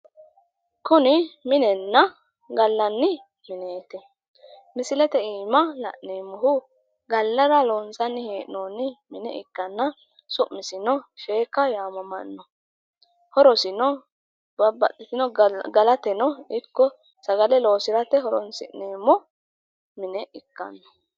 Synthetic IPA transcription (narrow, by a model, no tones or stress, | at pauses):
kʊnɪmɪnɛnːɐ | ɡɐlːɐnːɪ | mɪneːt̪ɛ | mɪsɪlɛt̪ɛiːmɐlɐ̰ʔneːmːɔɦʊ | ɡɐlːɐɾɐloːnsɐnːɪheːʔnoːnɪmɪnɛ̰ʔɪ̰kːɐnːɐ | sʊʔmɪsɪnɔʃeːkɐjaːmɐmɐ̰nːɔ | hɔɾɔsɪnɔ | bɐbɐtʼːɪt̪ɪnɔɡɐlɐt̪ɛnɔɪkːɔ | sɐɡɐlɛlo̞ːsɪɾɐt̪ɛɦɔɾɔnsɪ̰ʔneːmːɔ | mɪnɛʔɪkːɐ̰nːɔ̥